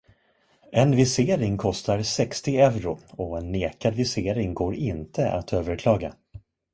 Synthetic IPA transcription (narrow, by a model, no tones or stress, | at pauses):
ʔɛnvɪseːɾɪŋkʰɔst̪aɾsɛkst̪ɪɛvɾʊɔɛnːeːkad̪vɪseːɾɪŋɡoːɾɪnt̪ʰəʔa̰t̪ʰøːvəɾkʰlɑːɡa̰